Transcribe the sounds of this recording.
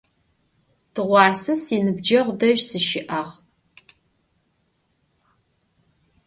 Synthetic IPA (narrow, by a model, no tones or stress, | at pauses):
tʰɨʁʷɑːsɐsiːnɨb̚d͡ʒɐʁʷdɐʒsɨʃɪʔɐʁ